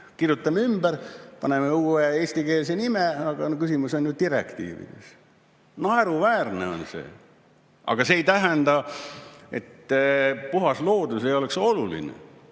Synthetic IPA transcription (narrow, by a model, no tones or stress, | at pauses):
kirjut̪ːˑɑmymbæɾpɑne̞meuːeeːsʲt̪ikeːls̬e̞nimeɑɡ̥ɑnokysimuso̞nʲnyːd̪̚t̪iɾḛkt̪ḭːvḭd̪̥ḛs | nɑeɾuvæːrneo̞̰nse̞̰ː | ʔɑ̰ɡ̥ɑse̞ːjt̪æɦænd̪̥ɑ | e̞̰t̪ːpuɦɑslo̞ːd̪̥usejo̞lekso̞lulḭnḛ